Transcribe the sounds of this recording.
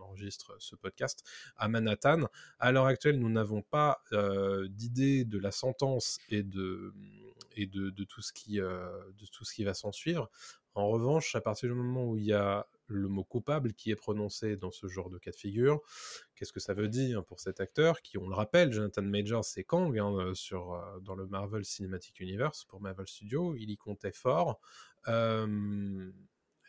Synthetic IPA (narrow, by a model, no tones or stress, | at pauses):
ɑ̃ʁəʒist̪χəsəpɔd̪̚kʲast̪amanat̪analœʁak̚t̪ɥɛlnunavɔ̃paød̪id̪ed̪əlasɑ̃t̪ɑ̃sed̪ə | ed̪əd̪ət̪ʰusə̥kʲʰiød̪ət̪ʰusə̥kʲivasɑ̃sɥivʁ | ɑ̃ʁəvɑ̃ʃapaʁt̪iʁd̪ymɔmɑ̃uilja | ləmokupablkʲiɛpχɔnɔ̃sed̪ɑ̃səʒɑ̃ʁd̪əkad̪fiɡʲyʁkʲɛskəsavød̪iʁpuʁsɛt̪ak̚t̪œʁkʲiɔ̃ləʁapɛlʒonat̪anmɛʒasɛkɑ̃ɡɛ̃øsyʁød̪ɑ̃ləmaʁvɛlsinemat̪ʰi̥kynivɛʁspuʁmaʁvɛlst̪yd̪joilikʰɔ̃t̪ɛfɔʁøm